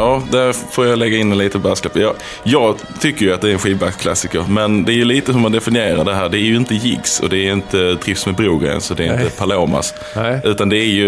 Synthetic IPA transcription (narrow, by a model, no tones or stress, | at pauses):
jɑːd̪æɾfoːɾjalɛɡːaɪnːɛnliːt̪əbæːsklɛpəjɑ | jɑːɡ | t̪ʰʏkːəɾjɵat̪d̪ɛæɾɛnɧiːvbakskʰla̰sːɪkəɾmɛnd̪ɛæɾjɵliːt̪əɦɵɾmand̪ɛfɪnɪeːɾa̰ɖɛɦæːɖɛæjɵɪnt̪əjɪ̰ɡsɔ̰d̪ɛːɾɪnt̪ət̪ʰɾɪfsmɛbɾuːɡɾɛ̰jə̰nsɔd̪ɛɾɪnt̪əpʰaloːma̰s | ʉ̟ːt̪and̪ɛæjɵ